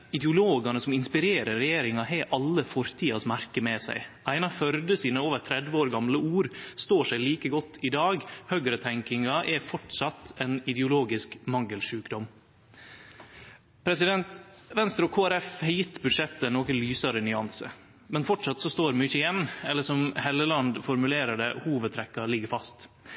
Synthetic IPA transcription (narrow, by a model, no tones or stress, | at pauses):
ɪd̪ɛʊloːɡɑnəsɔmɪnspɪɾeːɾəɾɛjeːɾɪŋɑɦɛɪʔɑlːəfɔɾt̪ʰiːɑsmæɾkəmɛsæ̰ɪʔæɪnɑfœɾd̪əsiːnəoːʋət̪ʰɾɛd̪ʋəoːɾɡɑmləuːɾst̪oːʂæɪliːkəɡɔt̪ʰːɪd̪ɑːɡhœɡɾət̪ʰɛŋkɪŋɑʔɛfɔʈʂɑt̪ɛnɪd̪ɛʊloːɡɪskmɑŋːəlʂʉːkd̪ɔm | pʰɾɛsɪd̪ɛnt̪ʋɛnst̪ɾɔkʰoːæɾɛfhɑɾjɪt̪ːbʉd̪ʂɛt̪ːənoːkənlyːsɑɾənʏɑnsə̰ | mɛnfɔʈʂɑt̪sɔst̪oːɾmʏçəɪjɛnːɛlːəʂɔmhɛlːəlɑnd̪fɔɾmʉleːɾəɖɛhuːʋəd̪t̪ʰɾɛkːɑlɪɡːəɾfɑst̪